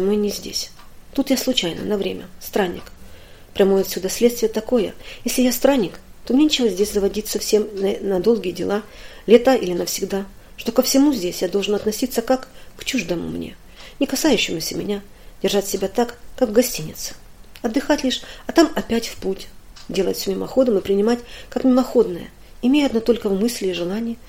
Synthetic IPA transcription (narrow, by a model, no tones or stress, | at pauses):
mɨnʲɪzʲdʲḛsʲ | t̪ut̪jaslˠʊt͡ɕæjnə̰nɐvɾʲemʲə̰st̪ɾanʲːɪ̰k | pɾʲɐmojɐt̪sʲud̪asʲlʲet̪st̪vʲɪjət̪ɐko̞jəjesʲlʲɪjast̪ɾanʲːɪk | t̪omnʲenʲt͡ɕɪvəzʲdʲesʲzəvɐdʲitʲsɐfsʲe̞mnnɐd̪o̞lˠɡʲɪjədʲɪlˠalʲet̪əʔilʲɪnəfsʲɪɡd̪a | ʂt̪o̞kəfsʲɪmuzʲdʲesʲjad̪oʐɨnɐt̪nɐsʲit̪səkakːt͡ɕuʐd̪əmʊ̰mnʲḛ | nʲɪkɐsajʉɕːɪmʊsʲəmʲɪ̰nʲa | dʲɪrʐatʲsʲɪbʲat̪akːakvɡɐsʲtʲinʲɪ̰t̪sɨ̥ | ɐd̪ːɨxatʲlʲiʂɐt̪amɐpʲætʲfputʲdʲe̞lˠə̰tʲsʲomʲɪmɐ̰xo̞d̪əmɨpɾʲɪnʲɪmatʲkakmʲɪmɐxo̞d̪nəjə̰ | ɪmʲejəɐd̪not̪o̞lʲkəvmɨsʲlʲɪːʐɨlˠanʲɪjə